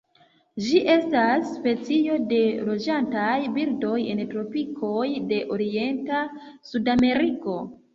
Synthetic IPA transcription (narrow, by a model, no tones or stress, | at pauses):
d͡ʒiʔe̞stasːpe̞t͡sio̞de̞lo̞d͡ʒantajbildo̞je̞̰ntɾo̞pikʰo̞jde̞ʔoɾie̞nta | sudame̞ɾiko̞